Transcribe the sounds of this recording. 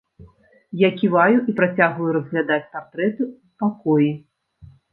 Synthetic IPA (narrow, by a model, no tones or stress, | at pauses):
jakʲivajuʔipɾat͡sʲaɣvɐjuɾɐzɣlʲad̪at͡sʲpart̪ɾɛt̪ɨuspakɔji